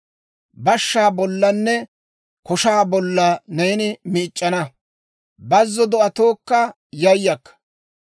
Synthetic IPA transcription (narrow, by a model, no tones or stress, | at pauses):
bɐʃːaːbɔlːɐnːɛ | kɔʃaːbɔlːɐnejnɪmiːt͡ʃʼːɐnɐ | bɐzːɔd̪ɔʔɐt̪oːkːɐ | jɐjːɐkːɐ̥